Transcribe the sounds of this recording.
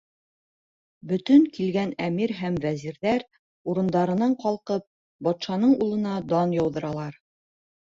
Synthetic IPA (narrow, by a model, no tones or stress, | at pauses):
bɵ̆t̪ɵŋkilɡænæmiɾɦæmvæziɾðæɾ | uɾɤ̆nd̪ɑɾɤ̆nɑɴqɑlˠqɤp̚ | bɒt̪ʃɑnɤɴulˠɤ̆nɑd̪ɑnjɒwðɤ̆ɾɑlˠɑɾ